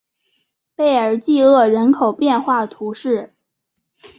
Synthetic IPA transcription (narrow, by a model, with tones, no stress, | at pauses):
pe˥˩ɪə˞˨˩t͡ɕi˥˧ɤ˥˩ɻə˧˥nkʰo˨˩ʊpjɛ˥˧nxwa˥˩t̪ʰu˧˥ʂɻ̩˥˩